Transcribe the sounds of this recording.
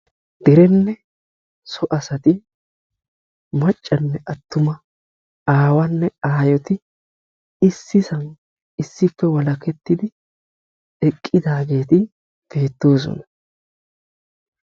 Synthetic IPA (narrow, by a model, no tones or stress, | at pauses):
d̪̥ɪɾɛnːɛ | sɔʔɐsɐt̪ɪ | mɐt͡ʃʼːɐnːɛʔɐt̪ːʊmɐ | aːwɐnːɛaːjɔt̪ɪ | ɪsːɪsɐn | ɪsːɪfːɛwɐlɐkɛt̪ːɪd̪ɪ | ɛkʼːɪd̪aːɡe̞ːt̪ɪ | b̥e̞ːt̪ːo̞ːs̬ɔ̰nɐ